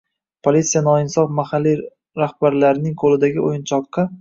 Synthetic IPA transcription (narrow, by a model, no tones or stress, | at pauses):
pʰolit̪sijanɒɪnsɒfmahalːi | ɾahb̥aɾlaɾɪnɪŋqʰolɪd̪aɡʲɪojɪnt͡ʃʰɒqːɑ